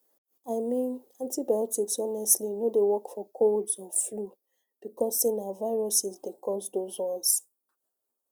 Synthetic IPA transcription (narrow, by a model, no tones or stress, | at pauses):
aɪmĩnãntibajɔtiksɔnɛstlinodewɔkfɔkʰoldzɔ̃flu | b̥ikɔsːenavaɪɹɔsizdekɔsdozwɔ̃ns